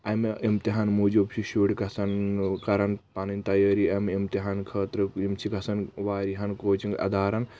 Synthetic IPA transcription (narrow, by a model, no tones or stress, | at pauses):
ɐmeʔimt̪iɦaːnmuːd͡ʒobt͡ʃʰiʃuːɽkɐsɐnkɐɾɐnpɐnint̪ɐjɐːɾiɐmimt̪iɦaːnkʰɐːt̪ɾɨimt͡ʃʰikɐsɐnʋaːɾiɦɐnkoːt͡ʃiŋɡɐ̰d̪aːɾɐn